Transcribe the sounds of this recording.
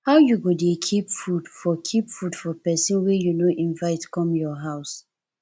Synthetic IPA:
haʊjuɡodekʰipfudfɔkʰipfudfɔpɛsĩnwɛjunoʔĩnvaɪtkɔ̃mjɔɦaʊs

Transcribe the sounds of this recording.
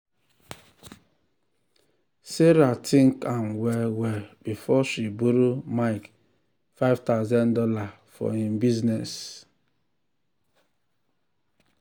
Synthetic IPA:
seɾatʰĩŋkamwɛwɛb̥ifɔʃibuɾumaɪk | faɪvtaʊzãndɔla | fɔ̰hĩmbiznɛs

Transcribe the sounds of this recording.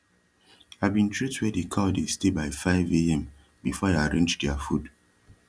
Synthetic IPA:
avbĩntʰɹitwɛdekʰadestebaɪfaɪveɛ̃m | bifɔjeaɹẽnd͡ʒdɛafud

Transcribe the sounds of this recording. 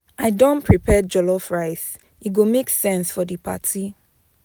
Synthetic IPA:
aɪdɔ̃npʰɹipʰɛd͡ʒɔlɔfɹaɪs | iɡomeksɛ̃nsfɔdɨpʰa̰tʰi

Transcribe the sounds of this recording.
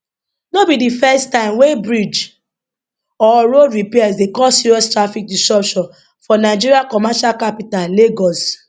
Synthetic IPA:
nobidifɛstãɪ̃mwebɹid͡ʒ | ɔɹoɹipɛasdekɔsiɹɔstɹafik̚distɹɔpʃɔ̃n | fɔnaɪd͡ʒiɾiakɔmaʃalkapitalleɡɔs

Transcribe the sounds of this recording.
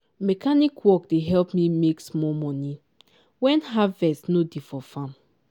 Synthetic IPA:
mɛkanikwɔkdeɦɛlpmimeksmɔmɔni | wɛ̃nɦavɛstnodifɔfãm

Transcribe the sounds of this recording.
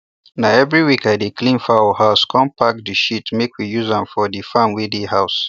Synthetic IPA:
naɛvɹiwikaɪdeklĩnfaɔhaʊskʰɔ̃mpak̚t̚dəʃitmekʰwijuzãmfɔdifãmwidiɦaʊs

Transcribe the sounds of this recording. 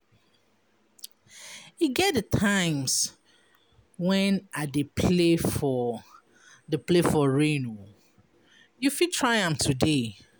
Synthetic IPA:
iɡɛt̚dətʰãɪ̃ms | wɛ̃nadepʰlefɔ | dəplefɔɹeno | jufitʰɹaɪãmtʰude

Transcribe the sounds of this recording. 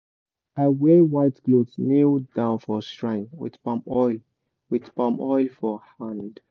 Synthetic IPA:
awewaɪtɡ̥lodsnidãʊnfɔstɹãɪ̃nwḭdpãmɔjl | widpãmɔjlfɔhãnd̥

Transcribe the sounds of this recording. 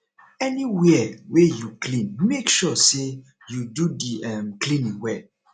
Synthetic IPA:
ɛniwɛwejuklĩnmekʃɔse | jududiɛ̃mklĩnĩwɛ

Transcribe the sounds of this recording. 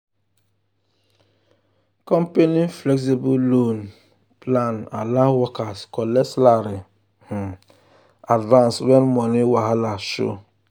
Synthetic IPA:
kɔ̃mpeniflɛks̬ibulon | plana̰lawɔkaskɔlɛslaɾi | h̩ | advãnswɛnmɔniwaɦalaʃo̰

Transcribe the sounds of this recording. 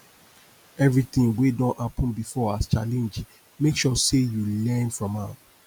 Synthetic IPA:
ɛvɹiθĩŋwedɔ̃nhapʰɔ̃nbifɔast͡ʃalɛ̃nd͡ʒ | mekʃɔsejulɛ̃nfɹɔ̃mat

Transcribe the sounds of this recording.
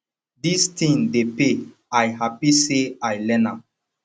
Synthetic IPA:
distʰĩŋdepe | ajɦapiseajlɛ̃nãm

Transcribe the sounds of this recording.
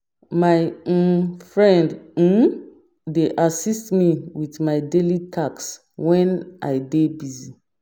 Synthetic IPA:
maj̩ | fɹɛ̃nd̩ | deʔasistmiwitmajdelitʰaks | wɛ̃nʔa̰jdebizi

